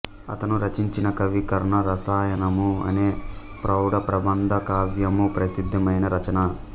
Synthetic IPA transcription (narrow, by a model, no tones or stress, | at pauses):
ɐ̰t̪ɐnuɾɐt͡ʃiɲt͡ʃinɐkɐʋikɐɾɐɳɐɾɐsaːjɐnɐmuɐ̰neː | pɾɐwɽɐpɾɐbɐnd̪ʱɐkaːʋjɐmupɾɐsid̪ʱːɐmɐjnɐɾɐt͡ʃɐnɐ